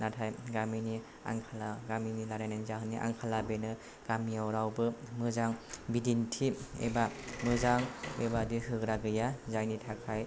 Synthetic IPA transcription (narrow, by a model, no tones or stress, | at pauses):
natʰajɡamini | a̰ŋkʰalaɡaminilaɾajnanizaɦɯnːiʔa̰ŋkʰalabenɯ | ɡ̥amiawɾawbɯmɯzaŋbidintʰiḛbamɯzaŋebadihɯkɾaɡɯjazajnitʰakʰaj